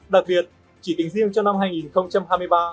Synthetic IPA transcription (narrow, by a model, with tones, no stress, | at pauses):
ɗa˨˩k̚ɓi˨˩ət̚ | t͡ɕi˧˩k̪ï˨˦ŋ̟zi˧˨əŋt͡ɕɔ˧wna˧mɦaː˧ŋi˨˩nxə˧wŋ͡mt͡ɕa˧mɦaː˧jmɨ˧əjɓaː˧